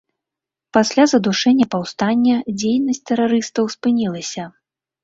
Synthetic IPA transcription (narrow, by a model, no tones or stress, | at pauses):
pasʲlʲazɐd̪uʂɛnʲːɐpawst̪anʲːɐd͡zʲejnɐsʲt͡sʲt̪ɛɾaɾɨst̪ɐwspɨnʲilˠɐsʲɐ